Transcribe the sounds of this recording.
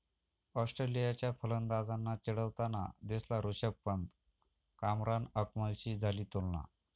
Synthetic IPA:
ɔsʈɾelijat͡ɕjafələnd̪ad͡zanːat͡ɕeɽəʋt̪ana̰d̪eslaɾoɕək̚pənd̪ | kamɾanəkməlt͡ɕiːd͡zʱaliːt̪olna̰

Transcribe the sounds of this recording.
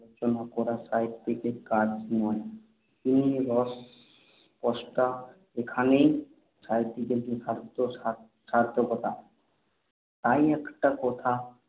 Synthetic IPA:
ot͡ɕonakɔɾasajt̪ːikekaɾd͡ʑnɔe | k̪iniɾɔs | pɔʃʈa | ekʰanej | sajt̪ːikebeʃaɾd̪oa | ʃaɾd̪ʱokɔt̪a | t̪ajɛkʈakɔt̪ʰa

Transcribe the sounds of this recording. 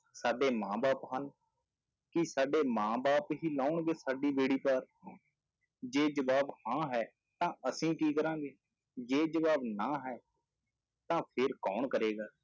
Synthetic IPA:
saːɖeːmãːbaːpɦən | kɪsaːɖeːmãːbaːpɦiːlaːʊɳɡeːsaːɖiːbeːɽiːpaɾ | d͡ʒeːd͡ʒəʋaːbhãːɦɛː | t̪ãːəsĩːkiːkəɾãːɡeː | d͡ʒeːd͡ʒəʋaːbnãːɦɛː | t̪ãːpʰeɾkɔːɳkəɾeːɡaː

